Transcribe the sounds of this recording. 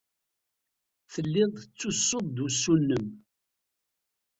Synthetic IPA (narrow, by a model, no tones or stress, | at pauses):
θəlːɪðˤət͡sːusːod̪d̪usːunːəm